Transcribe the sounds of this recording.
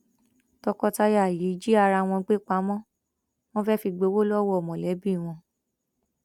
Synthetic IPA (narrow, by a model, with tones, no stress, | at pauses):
tɔ˧kɔ˧ta˧ja˦˨ji˨˦d͡ʒi˦a˧ɾa˧w̃ɔ̃˧ɡ͡be˦˨k͡pa˧˦mɔ̃˦ | w̃ɔ̃˦fɛ˦fi˧ɡ͡bo˨˧˦wo˦lɔ˦wɔ˦˨mɔ̃˨lɛ˨˦bi˦˨w̃ɔ̃˧